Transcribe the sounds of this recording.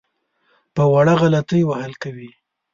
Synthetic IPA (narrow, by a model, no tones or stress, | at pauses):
pəwaɽaɣalat̪əjwahəlkawi